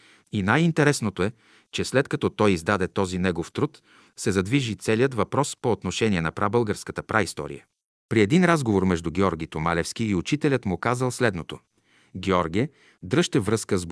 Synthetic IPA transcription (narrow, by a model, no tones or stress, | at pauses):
inajint̪ɛɾɛsnot̪oɛ | t͡ʃɛslɛt̪kɐt̪ɔt̪ɔjizd̪ad̪ɛt̪ɔzinɛɡoft̪ɾut̪ | sɛzɐd̪viʒit̪sɛliət̪vɐpɾɔspoːt̪noʃɛnʲiɛnɐpɾabɤlˠɡəɾskət̪əpɾaist̪ɔ̰ɾḭjə̰ | pɾiɛd̪inɾazɡovoɾmɛʒd̪uɡʲɛɔɾɡʲit̪omalɛfsk̟iːʊt͡ʃit̪ɛlʲət̪mʊkazəlˠslɛd̪not̪o | ɡʲɛɔɾɡʲɛ | d̪ɾɤʃt̪ɛvɾɤskəzb